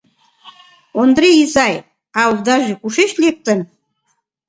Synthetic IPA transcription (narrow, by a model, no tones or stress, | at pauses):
ond̪ɾeizɑj | ɑuld̪ɑʒekuʃeʃlek̚t̪ən